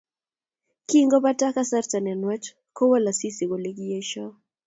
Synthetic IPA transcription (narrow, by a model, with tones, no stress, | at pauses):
kiŋɡɔ˦pa˦ta˦ka˦sa˦ɾta˨n˨a˨nwɛ˦t͡ʃ | ko˦wa˦la˨si˦si˨ko˨le˦ɡie˦ʃɔ˦